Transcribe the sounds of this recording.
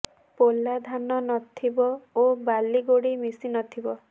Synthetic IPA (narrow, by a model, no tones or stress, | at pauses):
polːad̪ʱanɔnɔt̪ʰibɔobaliɡoɽimisinɔt̪ʰibɔ